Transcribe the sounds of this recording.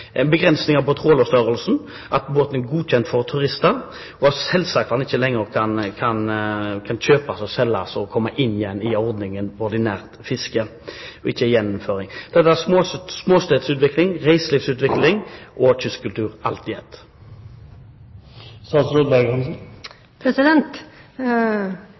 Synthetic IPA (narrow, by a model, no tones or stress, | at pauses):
ænbəɡʁɛnsnɪŋɑʋpɔt̪ʰʁoːlɔst̪œʁəlsn̩ | ʔɑt̪boːt̪n̩æɡuːc͡çɛnt̪fɔʁt̪ʰʉʁɪst̪əʁ | ɔɑsɛlsɑːk̚t̪hɑnɪçːəlɛŋːəʁkʰɑnkʰɑnkʰɑnɕøːpɑsɔsɛlːɑ̰sɔɔkʰɔmːəʔɪnːɪjɛnːɪɔʁd̪nɪŋənɔʁd̪ɪnæːʁt̪fɪskəɔɪçːəjɛnːʊmføːʁɪŋd̪̥ɛt̪ːəæsmosmoːst̪eːd̪sʉːt̪ʋɪklɪŋʁæɪsliːfsʉːt̪ʋɪklɪŋʔɔc͡çʏskʉlt̪ʰʉːʁɑ̰lt̪ɪɛt̪ | st̪ɑːsɾoːd̪bæɡɑnsn | pʰɾɛsɪd̪ɛnt̪